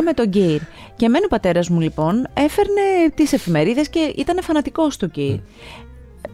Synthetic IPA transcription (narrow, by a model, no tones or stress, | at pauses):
me̞t̪o̞ɟiɾce̞me̞nopɐt̪e̞ɾɐzmulipo̞ne̞fe̞ɾne̞t̪ise̞fime̞ɾiðe̞sce̞ʔit̪ɐne̞fɐnɐt̪iko̞st̪o̞ɟiɾ